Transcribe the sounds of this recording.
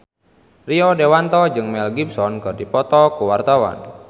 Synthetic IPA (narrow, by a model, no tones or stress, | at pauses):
riɔdewant̪ɔd͡ʒɨŋmɛlɡibsɔnkɨrdipɔt̪ɔkuwart̪awa̰n